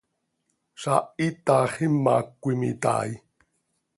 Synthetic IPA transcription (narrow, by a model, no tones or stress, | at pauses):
sait̪aχimːakʷimḭt̪a̰i